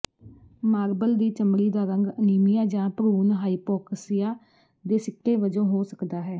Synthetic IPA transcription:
maːɾbəld̪iːt͡ʃəmɽiːd̪aːɾəŋɡəniːmɪjaːd͡ʒãːpəɾuːnɦaːiːpɔːkəsɪjaː | d̪eːsɪkʰːeːʋəd͡ʒõːɦoːsəkd̪aːɦɛː

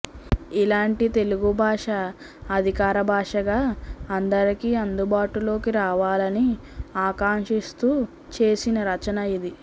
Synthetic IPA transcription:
ilaːɳʈit̪e̞luɡubʱaːʂɐː | d̪ʱikaːɾɐbʱaːʂɐɡaːɐnd̪ɐɾikiːɐnd̪ubaːʈulo̞ːkiɾaːʋaːlɐniaːkaːŋʂist̪uː | t͡ʃe̞ːsinɐɾɐt͡ʃɐnɐid̪i

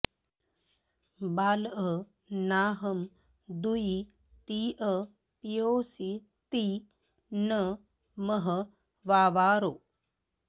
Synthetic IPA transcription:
baːlə | naːɦɐm | d̪ui | t̪iːʔə | pijoːsi | t̪i | nə | mɐɦɐ | ʋaːʋaːɾoː

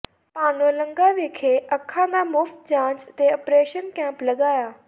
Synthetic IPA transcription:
paːnoːləŋɡaːʋekʰeːʔəkʰːãːd̪aːmʊːft̪̚d͡ʒãːt͡ʃət̪eːəpɾeːʃənkɛ̃ːmpləɡaːjaː

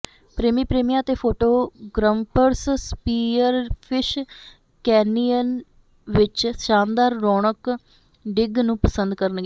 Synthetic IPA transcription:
pɾeːmiːpɾeːmijãːt̪eːpʰoːʈoːɡɾəmpəɾsspiːəɾpʰɪʃ | kɛːnijən | ʋɪt͡ʃsãːnd̪aːɾːɔːɳ̃ək | ɖɪɡnũːpəsənd̪kəɾənɡɛː

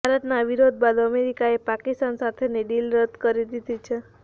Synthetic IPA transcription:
bʱaɾət̪naʋiɾod̪̚bad̪əmeɾikaepakist̪ansat̪ʰeneɖilɾəd̪kəɾid̪id̪it͡ʃʰe

